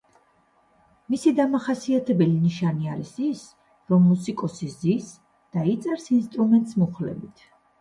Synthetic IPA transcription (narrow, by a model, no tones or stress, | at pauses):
misid̪amaχasiat̪ʰɛbɛliniʃaniaɾisis | ɾɔmːusikʼɔsizis | d̪̥ait̪sʼɛɾsinst̪ʼɾumɛnt̪ʼsmuχlɛ̰bit̪ʰ